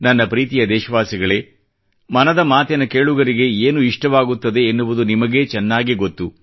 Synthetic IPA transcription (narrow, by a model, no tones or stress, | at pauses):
nɐnːɐpɾiːt̪ijɐd̪ɛːʃɐʋaːsiɡɐɭe̞ː | mɐnɐd̪ɐmaːt̪ɛnɐkeːɭuɡɐɾiɡe̞eːnuiʂʈɐʋaːɡut̪ːɐd̪e̞ːnːuʋud̪unimɐɡe̞t͡ʃɛnːaːɡiɡo̞t̪ːu